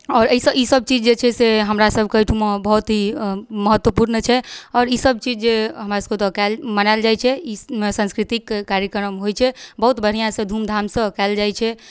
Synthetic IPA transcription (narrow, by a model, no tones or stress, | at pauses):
ɔːɾəisəisəb̚t͡ʃid͡ʒd͡ʒet͡ʃʰɛseɦəmɾasəb̚ʱkəjʈʰumabəɦut̪ɦiməɦət̪ːwəpuɾnət͡ʃʰɛɔːɾisəb̚t͡ʃid͡ʒd͡ʒeɦəmɾasəkt̪ɔkalmənald͡ʒajt͡ʃʰɛimesə̃nskɾit̪ikːaɾjəkɾəmɦojt͡ʃʰɛbəɦut̪bəɽ̤ijãsə̃d̪ʱumd̪ʱamsə̃kɛɪld͡ʒajt͡ʃʰɛ